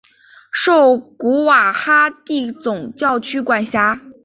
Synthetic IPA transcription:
ʂo˥˩ʊku˧˥wa˨˩xa˥t̪i˥˩t͡sʊ˨˩ŋt͡ɕjɑ˥˩ʊt͡ɕʰy˥kwa˨˩nɕja˧˥

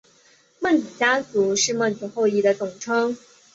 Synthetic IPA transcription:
mə˥˩nt͡sɹ̩˨˩t͡ɕja˥t͡su˧˥ʂɻ̩˥˧mə˥˩nt͡su˨˧˥xo˥˧ʊi˥˩d̪ə˦t͡sʊ˨˩ŋʈ͡ʂʰɤ˥ŋ

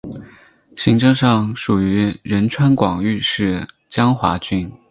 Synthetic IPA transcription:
ɕi˧˥ŋʈ͡ʂɤ˥˧ŋʂɑ˥˩ŋʂu˨˩y˧˥ɻə˧˥nʈ͡ʂʰwa˥nkwɑ˨˩ŋy˥˧ʂɻ̩˥˩ | t͡ɕjɑ˥ŋxwa̰˧˥t͡ɕy˥˩n

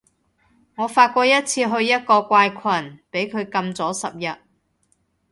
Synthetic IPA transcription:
ŋɔː˨˧faː˧t̚kʷɔː˧jɐ˥t̚t͡sʰiː˧ɦɵ˧ɥjɐ˥t̚kɔː˧kʷaː˧jkʷʰɐ˨˩npe˨˥jkʰɵ˨˧ɥkɐ˧mt͡sɔː˨˥sɐ˨p̚jɐ˨t̚

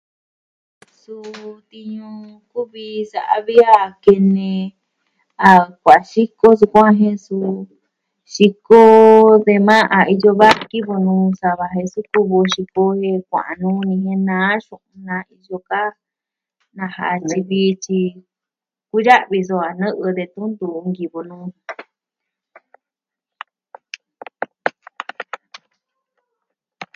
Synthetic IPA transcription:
su˧t̪i˧ɲũ˧ | ku˦βi˧sa˨ʔa˧βi˦a˦˨ke˧nẽ˧ | a˨kʷa˨ʃi˦ko˦s̬u˧kʷã˦ɦẽ˧su˧ | ʃi˧ko˦ðe˧mã˦ʔa˨i˧jo˧βa˦ki˦βo˧nũː˧sa˧βa˧ɦẽ˧su˦ku˧βo˧ʃi˧ko˧he˧kʷã̰˨ʔa˨˧nũː˧˦nĩ˧hẽ˧nã˨˦ʃũ˧ʔũ˧nã˧i˧ʒo˧ka˦ | nã˧ha̰˨t͡ʃi˧βiː˦˧t͡ʃi˧ | ku˦ja˦ʔβi˧s̬o˧a˨nɨ̃˦ʔɨ˧ðe˧t̪u˦nd̪u˨˧ŋɡi˨βo˧nũː˧

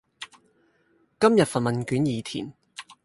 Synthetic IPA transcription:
kɐ˥mjɐ˨t̚fɐ˨t̚mɐ˨nkyː˨˥njiː˨˧t̪ʰḭː˨˩n

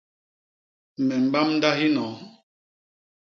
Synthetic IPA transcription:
mɛ˨m̩˨ba˦mn̩˦da˦ɦi˦nɔ˨˦

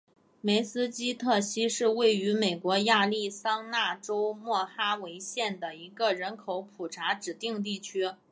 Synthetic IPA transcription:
me˧˥ɪsɹ̩˥t͡ɕi˥t̪ʰɤ˥˩ɕi˥ʂɻ̩˥˧we˥˩ɪy˧˥me˨˩ɪkwɔ˧˥ja˥˧li˥˩sɑ˥ŋna˥˩ʈ͡ʂo˥ʊmwɔ˥˩xa˥we˧˥ɪɕjɛ˥˩nd̪ə˩i˧˥ɡə˧ɻə˧˥nkʰo˧˥ʊpʰu˨˩ʈ͡ʂʰa˧˥ʈ͡ʂɻ̩˨˩t̪i˥˧ŋt̪i˥˩t͡ɕʰy˥

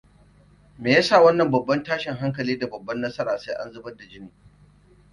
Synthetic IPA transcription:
meː˨jaː˦sa˦˨wɐ˦nːɐ˨mbɐ˨bːɐ˦ntaː˦ʃɪ˨ŋɦa˦ŋk̬ɐ˨liː˦da˨bɐ˨bːɐ˦nːɐ˦sɐ˦ɾaː˨seː˦ʔa̰˦nzʊ˦bɐ˦da˨d͡ʒɪ˦niː˨

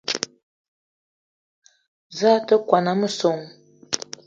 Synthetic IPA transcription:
za˦tə˦kʷwa˨na˨˦mə˦so˨ŋ

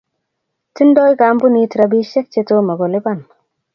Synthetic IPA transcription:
ti˦ndo˦jka˨˦mbu˦ni˧tɾa˧bi˦ʃe˦k̚t͡ʃe˧to˦ma˨ɡo˨li˦ba˦˨n

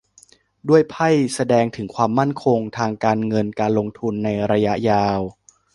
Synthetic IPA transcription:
du˥˩əjpʰa˥˩jsa˧dɛː˧ŋt̪ʰɯ˩˦ŋkʰwaː˧mːa˥˩nkʰo˧ŋt̪ʰaː˧ŋkaː˧nŋɤ˧nkaː˧nlo˧ŋt̪ʰu˧nːa˧jɾa˧ja˦˥ʔjaː˧w

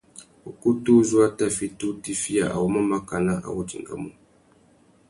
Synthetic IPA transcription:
u˨ku˦tu˦zu˦a˦ta˦fi˦tu˦ti˦fi˦a˨ʔa̰˨wo˦ma˦ma˦ka˨na˦ʔa̰˨wu˦t͡ʃḭ˨ŋ˨ɡa̰˦mu˦˨

